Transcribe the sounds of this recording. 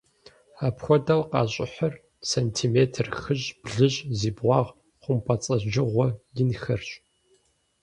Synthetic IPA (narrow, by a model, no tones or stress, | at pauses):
aːpxʷɔdɐwqɑːɕʼɪ̰ħɐr | sentʰiːmeːtʰɨrxɨʑb̥ɮɨʑʼziːbʁʷɑːʁ | χʷʊmpʰɐt͡sʼɐʒɪʁʷɔjɪnxɐrɕʼ